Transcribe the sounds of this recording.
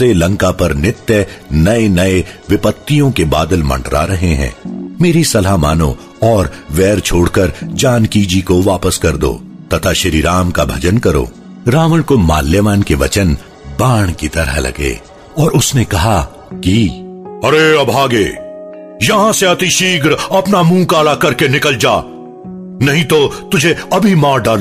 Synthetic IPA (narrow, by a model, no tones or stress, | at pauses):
selɐ̃ŋkapɐɾnɪt̪jənɐenɐeʋɪpət̪ːijõkebaːd̪əlmɐ̰̃ɳɖɾa̰ɾɐɦeɦɛ̰̃ːmeːɾisɐlama̰ːnõ̰ | ɔːɾʋɛːɾt͡ʃʰoːɽkɐɾd͡ʒaːnkiːd͡ʒikoʋaːpəskɐɾd̪o̰ːt̪ɐt̪ʰaʃɪɾiɾaːmkabʱɐd͡ʒənkɐɾo̰ː | ɾaːʋəɽ̃koma̰ːlːjəʋaːnkeʋɐ̰t͡ʃən | baːɽ̃kit̪ɐɾa̰lɐ̰ɡḛː | ɔːɾʊsnekɐɦa | kiɐɾeɐbʱaːɡeː | jɐɦãseɐt̪iʃiːɡɾɐpnamũːkaːlakɐɾkenɪkəld͡ʒaː | nɐɦĩt̪ot̪ʊd͡ʒʱeɐbʱimaːɾɖaːl